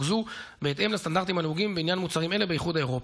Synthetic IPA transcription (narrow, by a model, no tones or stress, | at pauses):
zubeːt̪e̞mlast̪and̪aʁt̪̬imhaleuɡimveinjanmut͡saʁime̞le̞bejiχudae̞ʁo̞p